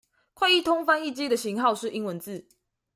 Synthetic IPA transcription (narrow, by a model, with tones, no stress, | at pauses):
kʰwa˥˧ɪi˥˨t̪ʰʊ˥ŋfa˥ni˥˨t͡ɕi˦d̪ə˨ɕi˧˥ŋhɑ˥˨˧ʊʂɻ̩˥˩˨ʔi˦˥ŋwə˧˦nt͡sɹ̩˥˨